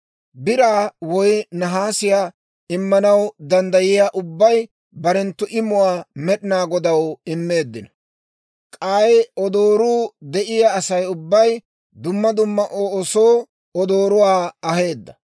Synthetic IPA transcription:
bɪɾaːwɔjnɐɦaːsɪjaː | ɪmːɐnɐwd̪ɐnd̪ɐjɪjaːʔʊbːɐj | bɐɾɛnt̪ːʊʔɪmʊwaːmɛɗɪnaːɡɔd̪ɐwɪmːe̞ːd̪ːɪn | kʼaːjɔd̪o̞ːɾuːd̪ɛʔɪjaːsɐjʊbːɐj | d̪ʊmːɐd̪ʊmːɐʔoːsoː | ɔd̪o̞ːɾʊwaːɐhe̞ːd̪ːɐ

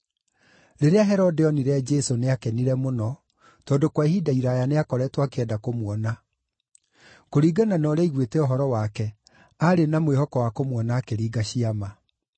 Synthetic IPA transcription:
ɾeɾeaɦɛɾodeɔniɾead͡ʒesoneakɛniɾɛmonɔ | tɔːndokwahidaiɾajaneakɔɾɛtwakeɛdakomwɔna | koɾiːɡananɔɾɛiɣwetɛoɦɔɾɔwakɛ | aɾenamwehɔkɔwakomwɔnaːkeɾiːɡaɕiama

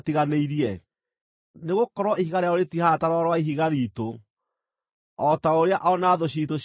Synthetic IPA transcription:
tiɣaneiɾiɛ | neɣokɔɾwɔihiɣaɾeaoɾetihataɾɔɾwaiɦiɣaɾito | ɔtaoɾeaʔɔnaðoɕ̬ito

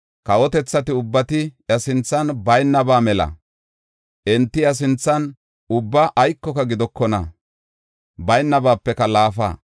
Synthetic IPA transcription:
kɐwɔt̪ɛt͡sːɐt̪ɪʊbːɐt̪ɪjɐsɪnt͡sːɐnbɐjnːɐbaːmɛlɐ̰ | ʔɛnt̪ːɪjɐs̬ɪnt͡sːɐn | ʊbːɐʔːjkːɔkɐɡɪd̪ɔkːɔnɐ̰ | bɐjnːɐbaːpːɛkɐlaːfa̰ː

